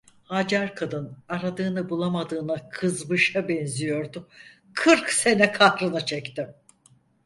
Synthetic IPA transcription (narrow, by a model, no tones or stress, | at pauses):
had͡ʒaɾkʰad̪ɯnaɾad̪ɯːnɯbulˠamad̪ɯːnakʰɯzbɯʃabɛnzijo̞ɾd̪ʊ | kʰɯɾkse̞nɛkʰahɾɯnɯt͡ʃʰɛct̪im